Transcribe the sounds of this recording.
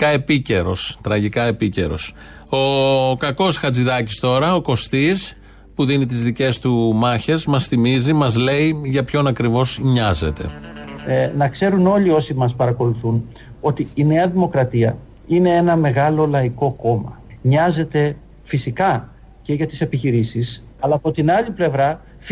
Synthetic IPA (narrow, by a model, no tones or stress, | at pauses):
ɐe̞pice̞ɾo̞st̪ɾɐʝikɐe̞pice̞ɾo̞̰s | o̞kɐko̞sxɐt͡siðɐcist̪o̞ɾɐo̞ko̞st̪is | puðinit̪̬izðice̞st̪umɐçe̞zmɐsθimizimɐzle̞iʝɐpço̞nɐkɾivo̞sɲɐze̞t̪e̞̰ | nɐkse̞ɾuno̞ʎio̞simɐspɐɾɐko̞luθun | o̞t̪iːneɐðimo̞kɾɐt̪iɐ | ine̞e̞nɐme̞ɣɐlo̞lɐiko̞ko̞mɐ̰ɲɐze̞t̪e̞ | fisikɐ | ce̞ʝɐt̪ise̞piçiɾisis | ɐlɐːpot̪inɐʎiple̞vɾɐ